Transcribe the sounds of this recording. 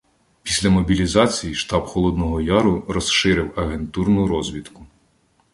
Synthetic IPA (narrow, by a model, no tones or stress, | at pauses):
pʲisʲlʲɐmɔbʲilʲizɑt͡sʲijiʃt̪ɑbxɔlˠɔd̪nɔɦɔjɑɾʊɾɔsʃɪɾɪwɐɦent̪urnʊɾɔzʲʋʲit̪kʊ